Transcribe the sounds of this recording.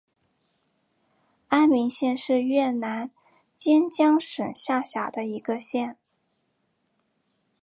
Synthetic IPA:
a˥nmi˧˥ŋɕjɛ˥˧nʂɻ̩˥˧ɥɛ˥˩na˧˥n | t͡ɕjɛ˥nt͡ɕjɑ˥ŋʂə˨˩nɕja˥˩ɕja̰˨˩d̪ə˦i˧˥ɡə˧ɕjɛ˥˩n

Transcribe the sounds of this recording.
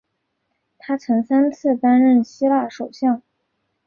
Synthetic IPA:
t̪ʰa˥t͡sʰɤ˧˥ŋsa˥nt͡sʰɹ̩˥˩t̪a˥nɻə˥˩nɕi˥la˥˩ʂo˨˩ʊɕjɑ˥˩ŋ

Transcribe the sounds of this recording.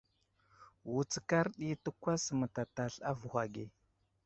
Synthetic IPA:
wu˨t͡ska˦ɾɗi˦tə˦kʷa˦smə˨ta˨ta˨ɬa˦vu˨xʷa˨ɡe˨

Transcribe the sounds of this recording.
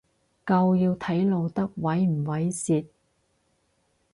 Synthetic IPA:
kɐ˧wjiː˧wt̪ʰɐ˨˥jlo˨˧wt̪ɐ˥k̚wɐ˨˥jm̩˨˩wɐ˨˥jsiː˧t̪̚

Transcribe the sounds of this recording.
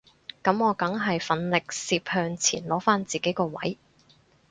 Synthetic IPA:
kɐ˨˥mɔː˨˧kɐ˨˥ŋɦɐ˨jfɐ˨˥nlɪ˨k̚siː˧p̚hœː˧ŋt͡sʰḭː˨˩nlɔː˨˥faː˥nt͡siː˨ke˨˥jkɔː˧wɐ̰˨˥j

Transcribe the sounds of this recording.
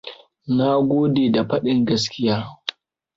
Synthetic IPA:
na˦ɡʷoː˦deː˨da˨ɸɐ˦ɗɪ˦ŋɡɐ˦s̬kʲɪ˦jaː˦

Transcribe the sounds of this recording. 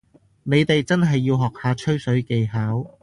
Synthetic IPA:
ne˨˧jt̪e˨jt͡sɐ˥nɦɐ˨jːiː˧wɦɔː˨k̚haː˨˧t͡ʃʰɵ˥ɥsɵ˨˥ɥke˨˧jɦaː˨˥w

